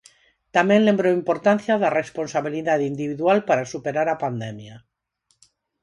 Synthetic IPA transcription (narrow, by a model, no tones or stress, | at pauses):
t̪amjẽ̞nle̞mbɾoimpo̞ɾt̪anθjaðarespo̞nsaβ̞iliðaðind̪iβiðwalpaɾasupe̞ɾaɾapand̪emja